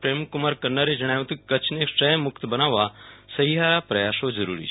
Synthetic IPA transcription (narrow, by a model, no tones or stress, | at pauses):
pɾeːmkumaɾkɐɾnəɾed͡ʒɐɽ̃aːj̃t̪ʰukɐt͡ʃʰneksʈɾəmʊkt̪bɐnaːʋasɐɦiɦaːɾapɾɐjaːsod͡ʒɐɾṵːɾḭ